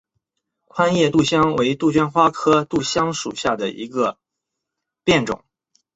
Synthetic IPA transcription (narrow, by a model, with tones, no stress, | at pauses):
kʰwa˥njɛ˥˧t̪u˥˩ɕjɑ˥ŋwe˧˥ɪt̪u˥˩t͡ɕɥɛ˥nxwa˥kʰɤ˥t̪u˥˩ɕjɑ˥ŋʂṵ˨˩ɕja˥˩d̪ə˩ḭ˧˥ɡə˧ | pjɛ˥˩nʈ͡ʂʊ̰˨˩˦ŋ